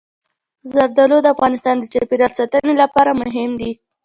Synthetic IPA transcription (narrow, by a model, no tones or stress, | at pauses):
zaɾd̪alod̪əafɣɑnɪst̪ɑnd̪ət͡ʃɑpeɾaɾsat̪ənelapɑɾamʊɦɪmd̪i